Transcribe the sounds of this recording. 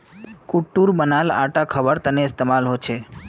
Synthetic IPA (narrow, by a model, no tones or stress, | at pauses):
kuʈːuɾbənala̰ʈakʰəbəɾt̪əneɪst̪emalɦot͡ʃʰe